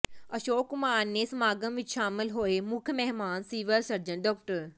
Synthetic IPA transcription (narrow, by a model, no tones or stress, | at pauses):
ɐʃoːkːʊmaːnːesmaːɡəmʋɪt͡ʃʃaːmɪlɦoːemʊkʰmɛɦmaːnsiːʋəɾsɐɾd͡ʒə̃ɳʈ̚ɖɔːk̚ʈəɾ